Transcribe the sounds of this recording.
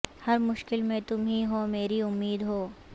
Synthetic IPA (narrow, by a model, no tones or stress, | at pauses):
hɐɾmʊʃkɪlmẽt̪ʊmɦĩɦomeːɾiʊmːiːd̪ɦoː